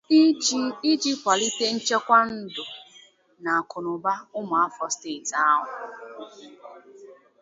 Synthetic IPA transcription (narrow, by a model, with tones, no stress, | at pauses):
i˦d͡ʒi˦kʷa˨li˦te˦n̩˦t͡ʃe˦kʷa˦n̩˦dʊ˨ | na˨a˨kʊ˨nʊ˨ba˦ʊ˦mʊ˨a˦fɔ˦ste˨ta˦a˦ɦʊ˨